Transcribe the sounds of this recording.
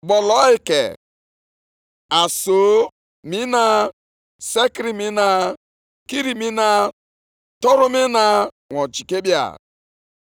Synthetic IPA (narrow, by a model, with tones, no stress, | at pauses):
ɡ͡bɔ˨lɔ˨˦i˨kḛ˨ | a˨so˨˦ | mi˦na˦ | se˦kɾi˨mi˦na˦ | ki˦ɾi˨mi˦na˦ | tɔ˦ɾʊ˦mi˦na˦ | ŋʷɔ˨d͡ʒi˨ke˦bja̰˦˨